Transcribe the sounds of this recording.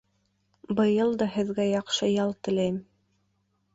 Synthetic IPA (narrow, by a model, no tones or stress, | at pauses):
bɤ̆jɤlˠd̪ɑhɘ̆ðɡæjɑqʃɤjɑlˠt̪ɘ̆læjm